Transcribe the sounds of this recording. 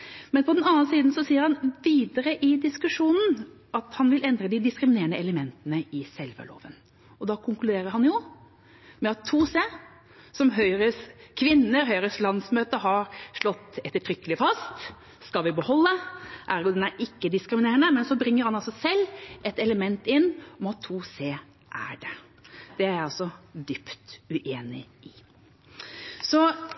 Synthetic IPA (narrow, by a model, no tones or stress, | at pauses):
mɛnpʰɔd̪ɛnɑnnsiːd̪n̩sɔsiːəɾhɑnʋiːd̪əɾəʔɪd̪ɪskʉʂuːnn̩ | ʔɑt̪hɑnʋɪlɛnd̪ɾəd̪ɪd̪ɪskɾɪmɪneːəɳəɛləmɛnt̪ənəɪsɛlʋə̰ɭo̰ːʋən | ɔd̪ɑkʰʊŋklʉd̪eːɾəɾhɑnjʊ | mɛɑt̪ʰːuːse | sɔmɦœʏɾəskʰʋɪnːəɾɦœʏɾəslɑnsmøːt̪əɦɑɾʂɭɔt̪ːɛt̪ːəʈʰɾʏkːəlɪfɑst̪ | skɑlʋɪbəhɔlːəʔæɾjʊd̪ɛnæɾɪkːəd̪ɪskɾɪmɪneːəɳəmɛnsɔbɾɪŋːəɾhɑnɑlsɔsɛlːʔɛt̪ɛləmɛnt̪ɪnːɔmɑt̪ʰːuːseː | ʔæ̰ɖɛ | d̪̥ɛæɾɑlsɔd̪ʏpt̪ʉʔeːnɪ̰ʔɪ | sɔ